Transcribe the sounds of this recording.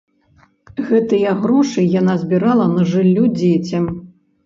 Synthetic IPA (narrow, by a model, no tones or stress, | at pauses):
ɣɛt̪ɨjɐɣɾɔʂɨjanazʲbʲiɾalˠɐnɐʐɨlʲːud͡zʲet͡sʲɐm